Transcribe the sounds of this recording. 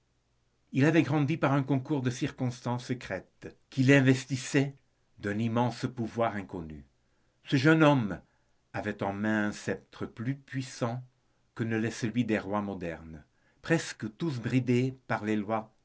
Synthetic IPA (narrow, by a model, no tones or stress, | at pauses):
ilavɛɡʁɑ̃d̪ipaʁɛ̃kɔ̃kuʁd̪əsiʁkɔ̃st̪ɑ̃sːəkχɛt̪ | kilɛ̃vɛst̪isɛ | d̪ɛ̃nimɑ̃spuvwaʁɛ̃kɔny̰ | səʒœnɔm | avɛt̪ɑ̃mɛ̃ɛ̃sɛp̚t̪χəplypɥisɑ̃ | kənəlɛsəlɥid̪eʁwamɔd̪ɛʁn | pχɛskət̪us̬bʁid̪epaʁlelwa